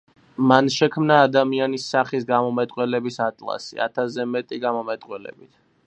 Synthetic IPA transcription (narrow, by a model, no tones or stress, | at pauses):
manʃɛkʰmnaːd̪amianisːaχisɡamɔmɛt̪ʼqʼwɛlɛbisat̪ʼlˠa̰sḭa̰t̪ʰazɛmɛt̪ʼiɡamɔmɛt̪ʼqʼwɛlɛ̰bit̪ʰ